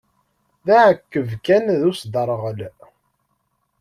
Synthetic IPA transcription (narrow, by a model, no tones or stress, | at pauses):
ðæʕəkːəvkænðusd̪əɾˤʁəl